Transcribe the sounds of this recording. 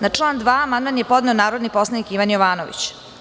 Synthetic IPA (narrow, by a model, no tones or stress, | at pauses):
nat͡ʂlˠaːnd̪ʋaːamand̪manjepo̞d̪ne̞onaːɾod̪nipo̞slˠanikiʋanjoʋaːnoʋḭt͡ɕ